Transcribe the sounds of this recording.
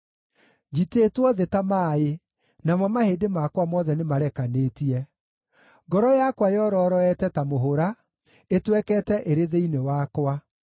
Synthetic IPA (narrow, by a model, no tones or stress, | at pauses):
d͡ʒitetwɔðetamae | namɔmahedemakwamɔːðɛnemaɾɛkanetiɛ | ɡɔɾɔjakwajɔɾɔɾɔɛtɛtamoɦoɾa | etwɛkɛtɛʔeɾeðeinewakwa